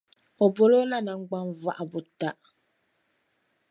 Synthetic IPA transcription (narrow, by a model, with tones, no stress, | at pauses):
ɔ˨bo˦lo˦la˦nã˨ŋ̩˦ɡ͡ba˦nva˦ʔa˨bʊ˨ta˦˨ʔ